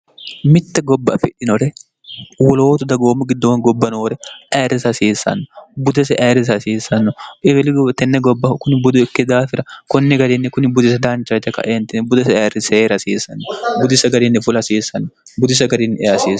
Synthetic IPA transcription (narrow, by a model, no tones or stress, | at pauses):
mɪt̪ːɐɡɔbːɐɐfɪᶑɪnɔɾɛ | wɔloːt̪ʊd̪ɐɡoːmːʊɡɪd̪ːowɐnɡɔbːɐnoːɾɛʔeːɾɪsɐsiːsːɐ̰nːʊbʊd̪ɐsɛʔeːɾːɪs̬ɐsiːsɐnːʊɛbɛlɪɡt̪ɛnːɛɡɔbːɐkʊnɪbʊd̪ʊɪkːɪd̪aːfɪɾɐkɔnːɛɡɐɾinːɪkʊnɪbʊd̪ɪs̬ɐd̪aːnt͡ʃːɐt̪ːɛkɐ̰ʔeːnt̪ɪnbʊd̪ɐsɛːɾɪseːɾɐsiːsːɐ̰nːɔbʊd̪ɪsɐɡɐɾinːɪfʊlɐsiːsɐnːbʊd̪ɪs̬ɐɡɐɾinːʔɛjɐsiːs